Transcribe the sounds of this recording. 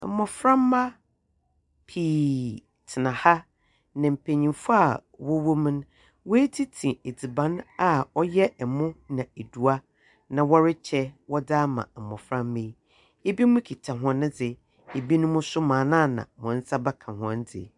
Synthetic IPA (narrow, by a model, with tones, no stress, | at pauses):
mɔ̃˨fɾã˦mːa˦ | pʰiː˨ | tʰɪ˨nã˨ha˦ | nã˨m̩˨pʰe˨ɲĩ˨mfʊ˦a˨wɔ˦wo˦m̃˦n˦ | wɔ˦e˦tʰi˦tʰĩ˨e˨d͡zi˨bã˨˦na˨ɔ˦jɛ˦ɛ˨mʊ̃˦nã˨e˨du˨a˦ | nã˨wɔ˦ɾɪ˦t͡ɕʰɛ˦wɔ˦daː˦mã̰˨mɔ̰̃˨fɾã˦mːẽ˦ | e˦bi˦mʊ̃˦kʰi˨tʰã˨ɦɔ̃˨nɪ̃˦d͡zɪ˨ | e˨bi˦nʊ̃˦mʊ̃˦sʊ˦mãː˨nãː˦˨nã̰˨mʊ̃˨n̩˦sa˦ba˦kʰã˨ɦɔ̰̃˦n˦d͡zɪ̰˨